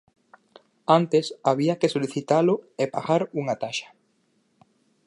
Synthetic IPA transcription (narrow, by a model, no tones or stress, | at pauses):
ant̪esaβiakesoliθit̪alʊepa̰ɣaɾuŋat̪aʃḁ